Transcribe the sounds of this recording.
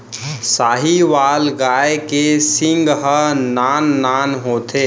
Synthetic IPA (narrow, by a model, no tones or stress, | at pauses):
saːɦiʋaːlɡaekesĩŋɡɦənanːanɦot̪ʰe